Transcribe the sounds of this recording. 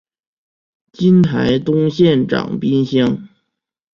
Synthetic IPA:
t͡ɕi˥nt̪ʰa˧˥ɪt̪ʊ˥ŋɕjɛ˥˩nʈ͡ʂɑ̰˨˩ŋpi˥nɕjɑ˥ŋ

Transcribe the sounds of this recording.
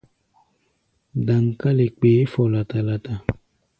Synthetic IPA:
da˨ŋ˨ka˦le˨k͡peː˨˦fɔ˨la˨ta˨la˨ta˨

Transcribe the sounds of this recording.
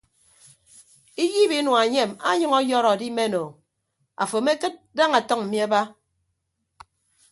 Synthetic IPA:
i˦ji˦bi˦nwa˨ɲe˦˨ma̰˦ɲɨ˦ŋɔ˦jɔ˦ɾɔ˨di˦me˦no˨ | a̰˨fo˨˦me˦kɨ˦t̚da˦ŋa˨tɔ˦ŋm̩˨mi˦a˦ba˦

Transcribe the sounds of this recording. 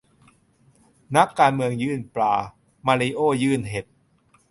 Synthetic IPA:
na˦˥kːaː˧nmɯ˧əŋjɯː˥˩nplaː˧ | maː˧ɾiː˧ʔoː˥˩jɯː˥˩nɦe˨˩t̪̚

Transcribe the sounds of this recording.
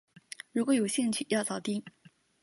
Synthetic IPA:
ɻu˧˥kwɔ˧˥jo˨˩ʊɕi˥˧ŋt͡ɕʰy˥˧˩jɑ˥˩ʊt͡sɑ˥˨˩ʊt̪i˥ŋ

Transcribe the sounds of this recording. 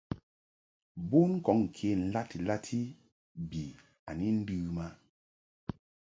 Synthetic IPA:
bu˦n˦kɔ˨˦ŋ̩˨kʰe˦n̩˨la˦ti˨la˦tʰi˦ | bi˨ | a̰˨ni˦n̩˦dɨ˦ma˦

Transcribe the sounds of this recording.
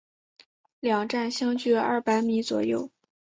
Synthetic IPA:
ljɑ˨˩ŋʈ͡ʂa˥˩nɕjɑ˥ŋt͡ɕy˥˩ɐ̰˥˩pa˧˥ɪmi˧˥t͡swɔ̰˨˩jo˥˩ʊ

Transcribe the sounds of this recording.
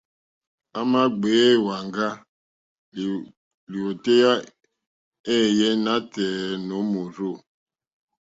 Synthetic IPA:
a˦ma˦ɡ͡be˨˦˨wa˨ŋɡa˦˨ | li˨o˨te˦ja˦ | e˦˨je˦na˦tɛː˨no˨˦mo˨ɾo˦˨

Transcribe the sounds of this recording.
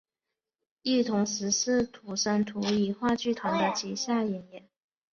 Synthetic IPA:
i˥˩t̪ʰʊ˧˥ŋʂɻ̩˧˥ʂɻ̩˥˩t̪ʰu˨˩ʂə˧˥nt̪ʰu˧˥i˧˩xwa˥˧t͡ɕy˥˩t̪ʰʊ˧˥ŋd̪ə˧t͡ɕʰi˧˥ɕja˥˩jɛ˨˧˥njɛ˨˩˦n

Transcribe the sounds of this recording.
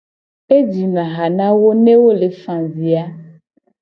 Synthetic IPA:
e˦d͡ʒi˨nã˨ɣa˨nã˦wo˦nẽ˦wo˦le˨fã˨zi˨a˦

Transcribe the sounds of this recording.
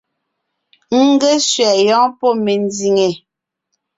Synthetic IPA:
ŋ̩˦ɡe˦sɥɛ˨jɔ̃ː˨˦pɔ˦me˨n˦di˨ŋe˨

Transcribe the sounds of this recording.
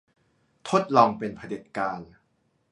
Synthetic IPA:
t̪ʰo˦˥t̪̚lɔː˧ŋpe˧npʰa˧de˨˩t̪̚kaː˧n

